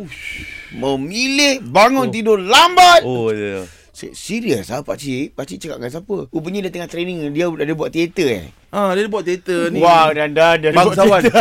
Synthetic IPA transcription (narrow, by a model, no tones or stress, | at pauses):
uməmilɪhbaŋʊnt̪idolambat̪o | sə̰siɾiəsapa̰ʔsipasiʔt͡ʃəkaʔkans̬apəubəɲadat̪əŋaht̪ɾeniŋdiadadəbuaʔt̪iet̪əɛ̰ | adiadəbuaʔt̪iet̪ənĩwadandadiadbasawan